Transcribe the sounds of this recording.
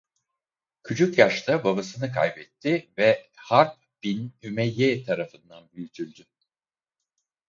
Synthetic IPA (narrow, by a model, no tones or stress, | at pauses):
cʰyt͡ʃʰukjaʃt̪ʰababasɯnɯkʰa̰jbɛt̪ʰːɪvɛhaɾp̚ | b̥inymɛjːɛt̪ʰaɾafɯnd̪anbyjyt̪ʰylʲd̪y